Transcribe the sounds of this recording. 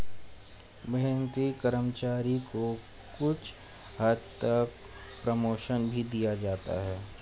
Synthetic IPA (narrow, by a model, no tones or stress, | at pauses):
mɛɦɛ̃nt̪ɾikəɾəmt͡ʃaːɾiko | kʊt͡ʃʰ | həd̪t̪ək̚ | pɾəmoːʃənbʱid̪ijad͡ʒaːt̪a̰ɦɛː